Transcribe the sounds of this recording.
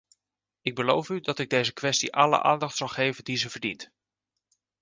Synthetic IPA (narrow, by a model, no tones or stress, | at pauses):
ɪɡ̚bəlowfydɑtɪɡ̚dejzəkʋɛstḭʔɑlə̰ʔa̰ːndɑχtsɑlˠχejvəndizəvəɹdḭnt